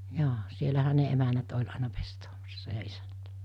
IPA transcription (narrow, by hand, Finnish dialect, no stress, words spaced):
joː sielæhæ ne emænæt olʲ ɑinɑ pestoːmɑsːɑ jɑ isænæ̥t